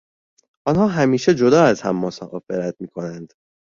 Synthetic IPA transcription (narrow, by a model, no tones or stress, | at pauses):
ʔɒːnhɒːɦæmiːʃe̞d͡ʒo̞d̪ɒːæzhæ̰mːosaʔɒːfeɾæt̪ʰmiːkʰo̞nænd̪̥